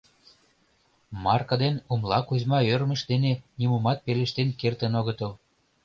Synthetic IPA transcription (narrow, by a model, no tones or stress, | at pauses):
mɑrkɑd̪enumlɑkuzmɑørməʃd̪enenimumɑt̪̚peleʃt̪enkert̪ə̆noɣət̪əl